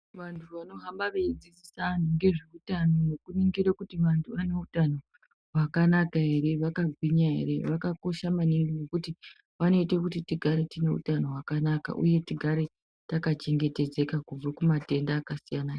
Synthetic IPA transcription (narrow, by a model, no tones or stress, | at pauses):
ʋantʰuʋano̞ɦambaʋeid͡zisisanuŋɡe̞ʐeutanonokuniŋɡiɾekutiʋantʰuʋane̞utano̞ | ɦwakanakaɦe̞ɾe̞ʋakaɡʱwiɲaɦe̞̰ɾe̞ʋakako̞ʃamaniŋɡonekuti | ʋano̞itekutitiɡʱaɾe̞tine̞ṵtano̞ɦwakanaka̰ʔṵje̞tiɡʱaɾe̞ | takat͡ʃe̞ŋɡe̞te̞d͡ze̞kakub͡vakumate̞ndaːkasijana